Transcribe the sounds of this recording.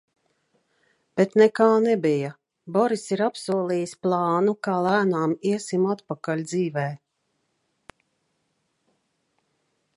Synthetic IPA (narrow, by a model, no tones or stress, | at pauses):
b̥ɛt̪nɛkaːnɛbija | bɔɾisiɾapsuɔlˠiːjisplˠɑːnukaːlˠæːnaːmiɛsimat̪pakalʲd̪ziːvɛː